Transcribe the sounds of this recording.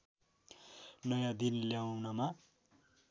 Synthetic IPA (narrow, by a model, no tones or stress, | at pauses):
nʌjãd̪inljawnʌma